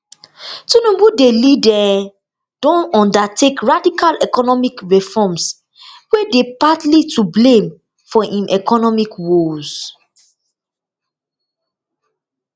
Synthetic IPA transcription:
tunũbudelidɛ | d̥ɔ̃nɔ̃ndatʰekɹadikalɛkɔnɔmikɹifɔms | wedepatlitublẽm | fɔʔĩmʔɛkʰɔnɔmikwolz̥

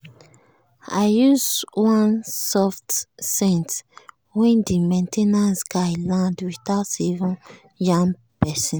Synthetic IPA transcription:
aɪjuzwãnsɔftsɛ̃nt | wɛ̃ndimẽntʰenãnsɡaɪlãndwiθaʊtsɛvɔ̃n | jãŋ | pɛsɔ̃n

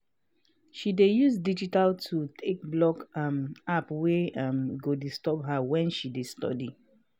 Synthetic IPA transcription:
ʃidejus̬did͡ʒitaltʰutʰek̚blɔkamapweamɡodistɔpɦawɛ̃nʃidestɔ̰di

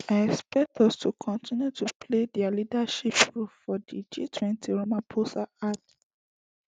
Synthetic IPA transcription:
aɛkspɛk̚tʰɔstʰukʰɔ̃ntʰĩnjutupʰledɛalidaʃipɹuffɔdid͡ʒḭtʰwɛ̃ntʰiɹomãnpʰosaat

